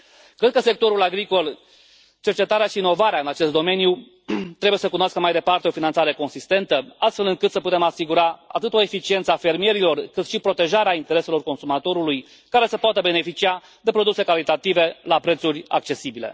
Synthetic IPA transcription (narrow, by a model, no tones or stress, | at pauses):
kɾe̞d̪̚kəse̞k̚t̪o̞ɾulaɡɾiko̞l | t͡ʃe̞rt͡ʃe̞t̪aɾeaʃiːno̞vaɾeaɨnat͡ʃe̞st̪d̪ome̞nju | t̪ɾebujesəkunoaskəmajd̪e̞part̪eofinant̪saɾe̞ko̞nsist̪e̞nt̪əast̪fe̞lɨŋkɨt̪səput̪e̞masiɡuɾaa̰t̪ɨt̪o̞e̞fit͡ʃie̞nt̪səafe̞rmije̞ɾilo̞rkɨt̪ʃipɾo̞t̪e̞ʒaɾeaint̪e̞ɾe̞se̞lo̞rko̞nsumat̪o̞ɾuluj | kaɾe̞səpoat̪əbe̞ne̞fit͡ʃia | d̪e̞pɾo̞d̪use̞kalit̪at̪ive̞lapɾe̞t̪suɾʲa̰k̚t͡ʃe̞sibile̞̰